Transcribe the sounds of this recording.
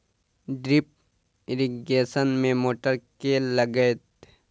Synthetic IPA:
ɖɾip̚ | ɪɾiɡeːsənmẽmoːʈəɾkeləɡət̪

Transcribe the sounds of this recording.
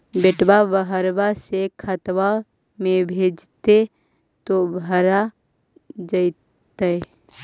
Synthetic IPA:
beʈbabəɦəɾbasekʰət̪wa | mẽbʱeːd͡ʒt̪e | t̪obʱəɾa | d͡ʒəi | t̪əe

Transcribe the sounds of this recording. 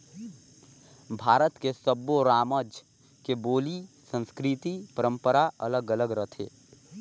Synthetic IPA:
bʱaːɾət̪kesəboɾaːməd͡ʒ | keboːlisə̃nskɾit̪ipəɾə̃mpəɾaələɡələɡɾət̪ʰḛː

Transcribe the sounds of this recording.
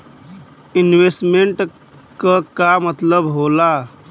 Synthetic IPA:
inwesʈmeɳʈ | kəkamət̪ləbɦola

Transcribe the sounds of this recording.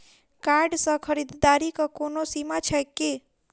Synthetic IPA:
kaɾɖsə̃kʰəɾid̪d̪aɾikəkonosimat͡ʃʰəjkːe

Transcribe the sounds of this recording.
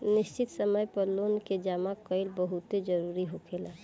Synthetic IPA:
nɪst͡ʃɪt̪səməjpəɾlonked͡ʒaːmakəɪlbəɦut̪ed͡ʒəɾuɾiɦokʰela

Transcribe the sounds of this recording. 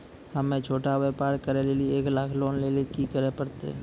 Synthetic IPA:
həmẽt͡ʃʰoːʈaʋeːpaːɾkəɾeleːlieːklaːkʰloːnlelekikəɾepəɾt̪ḛ

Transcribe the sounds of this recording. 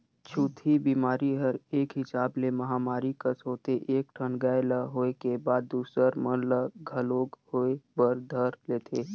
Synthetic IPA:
t͡ʃʰuːt̪ʰibiːmaːɾiɦəɾeːkɦɪsaːblemɐɦaːmaːɾikəsɦoːt̪eʔeːk̚ʈʰənɡaːeləɦoːekebaːd̪ːuːsəɾmənləɡʱəloːɡhoːebəɾd̪ʱəɾleːt̪ʰeː

